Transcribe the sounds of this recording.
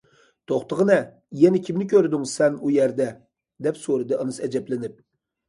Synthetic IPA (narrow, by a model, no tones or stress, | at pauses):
t̪ʰoχt̪əʁənɛ | jɛnɪkʲʰimnɪkʲøɾd̪yŋsɛnujæɾd̪ɛ | d̪ɛpsoɾɨd̪ɨɑnɨsɛd͡ʒɛplɪnɪp̚